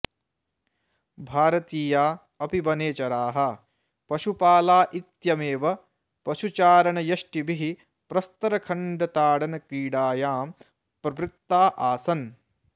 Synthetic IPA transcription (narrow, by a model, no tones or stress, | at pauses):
bʱaːɾɐt̪iːjaː | ɐpibɐneːt͡ʃɐɾaːɦɐ | pɐʃupaːlaːʔit̪jɐmeːʋɐ | pɐʃut͡ʃaːɾɐɳɐjɐʃʈibiɦi | pɾɐst̪ɐɾɐkʰɐɳɖɐt̪aːɽɐnɐkɾiːɽaːjaːm | pɾɐpɾit̪ːaːʔaːsɐn